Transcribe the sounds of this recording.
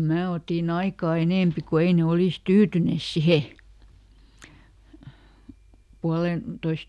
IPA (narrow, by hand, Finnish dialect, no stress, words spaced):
mæː otin ɑikɑː eneˑmpi ku ei ne oliˑs tyːtyneˑs sihe puɑlentois